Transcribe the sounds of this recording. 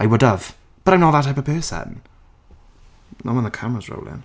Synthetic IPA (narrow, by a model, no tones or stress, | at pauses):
ʔaɪwʊdəv̥ | b̥ʌɾaɪ̃mnɔlˠðətʰaɪpəv̥pʰɜːˑsə̰̃n | nɔ̰wə̃nðəkʰamɹəzɹo̰ʊlˠɪ̰̃n